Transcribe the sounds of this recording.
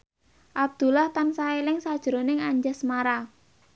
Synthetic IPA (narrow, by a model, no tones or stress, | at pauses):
ʔab̚d̪̥ṳlaht̪ansaelɪŋsad̥ʒ̥əɾonɪŋaɲd͡ʒasmaɾa